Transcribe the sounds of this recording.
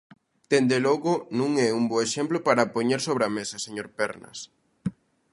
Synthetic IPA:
t̪end̪eloɣʊnũŋɛumboeʃemplopaɾapoɲeɾsoβɾɐamesɐseɲoɾpɛɾnɐ̰s

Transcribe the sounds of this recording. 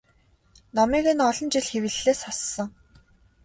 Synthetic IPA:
namiːɣĕnɔɮɞ̆nt͡ɕiɮxewɘ̆ɮːeːsɔsːɞ̆ŋ

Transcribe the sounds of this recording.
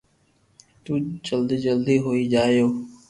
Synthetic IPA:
t̪ũːt͡ʃəld̪d͡ʒəld̪iːɦoːiːd͡ʒaːjoː

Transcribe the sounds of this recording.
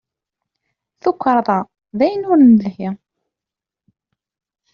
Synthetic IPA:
θʊkʷːɾˤðˤɑ | ðæjənʊɾnəlhi

